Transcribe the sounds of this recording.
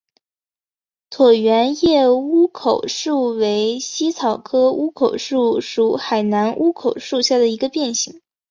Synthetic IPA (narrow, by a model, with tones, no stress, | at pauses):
t̪ʰwɔ˨˩ɥɛ˧˥njɛ˥˩u˥kʰo˨˩ʊʂu˥˩we˧˥ɪɕi˥t͡sʰɑ˨˩ʊkʰɤ˥u˥kʰo˨˩ʊʂu˥˩ʂu˨˧˩xa˨˩ɪna˧˥nʔu˥kʰo˨˩ʊʂu˥˧ɕja˥˩d̪ə˩i˧˥ɡə˧pjɛ˥˩nɕi˨˩˦ŋ